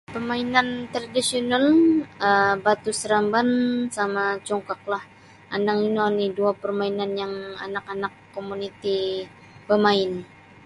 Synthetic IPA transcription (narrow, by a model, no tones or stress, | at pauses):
pərmainant̪ɾadisionaləbat̪usɾambansamat͡ʃɔŋkak̚lah | anaŋinoniduapərmainanjaŋa̰nakanakːomunit̪i | bəmaɪn